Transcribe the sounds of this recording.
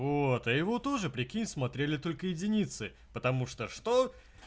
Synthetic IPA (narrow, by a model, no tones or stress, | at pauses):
vot̪ɐjɪvo̞t̪o̞ʐɨpɾʲɪkʲinʲsmɐt̪ɾʲelʲɪt̪o̞lʲkəjɪdʲɪnʲit̪sɨ | pət̪ɐmuʂt̪oʂt̪o